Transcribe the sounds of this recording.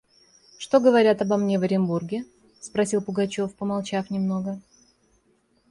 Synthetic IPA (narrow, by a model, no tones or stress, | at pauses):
ʂt̪o̞ɡəvɐɾʲat̪ɐbɐmnʲevəɾʲɪmburɡʲɪ | spɾɐsʲilˠpʊɡɐt͡ɕo̞fpəmɐlˠt͡ɕafnʲɪmno̞ɡə